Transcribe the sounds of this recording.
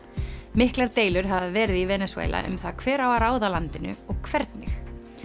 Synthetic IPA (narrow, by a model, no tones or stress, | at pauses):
mɪhklaɾt̪eːjlʏɾ̥ɦavðavɛːɾɪðivɛːnɛswḛːlʔa̰ʔʏ̰mθakʰvɛːɾawaɾaːwðalant̪ɪnʏ̰ɔɣkʰvɛɾt̪nɪx